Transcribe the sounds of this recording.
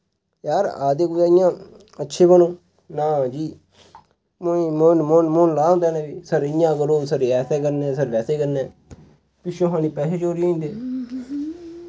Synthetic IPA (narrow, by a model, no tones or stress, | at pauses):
jaːɾaːd̪eːkoːjaːɪjãː | ətːʃʰeːbənõː | naːd͡ʒiː | mːmonmonmonlaːɦʊ̃nd̪aːnɛ̃ːbiːsəɾɪjãːkəɾoːsəɾɛːsɛːkəɾnɛ̃ːsəɾʋɛːseːkəɾnɛː | pɪʃõːɦãːniːpɛːseːt͡ʃoːɾiĩːnd̪eː